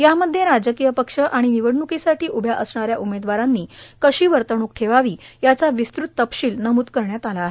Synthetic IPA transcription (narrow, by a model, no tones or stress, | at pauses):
jaməd̪ʱːjeɾad͡zəkijəpəkʂəʔaɽ̃iniʋəɽnukisaʈiːʔubʱjaʔəsɳaɾjaʔumed̪ʋaɾanːiːkəɕiːʋəɾt̪əɳ̃uk̚ʈʰeʋaʋiːjat͡saʋist̪ɾut̪ːəpɕiːlnəmuːt̪kəɾɳjat̪alaːɦe